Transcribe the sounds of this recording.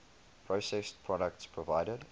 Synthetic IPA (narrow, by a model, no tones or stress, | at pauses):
pʰɹ̥osɛspʰɹ̥ɔɾək̚tspʰɹɔvaɪɾəd